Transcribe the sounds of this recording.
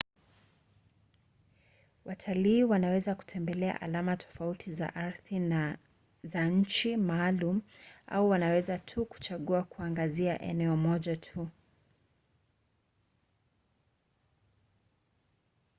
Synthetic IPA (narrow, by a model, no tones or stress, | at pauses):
wʔatʰaliːwanawɛzaku̥tʰɛmbɛlɛa̰ʔa̰lamatʰɔ̥fautʰiza̰ʔaɾθi | zaɲ̩t͡ʃimaːlum̩a̰uwanawɛzatʰuku̥t͡ʃaɠuakuaŋɡaziaʔɛ̰nɛɔmɔʄatʰu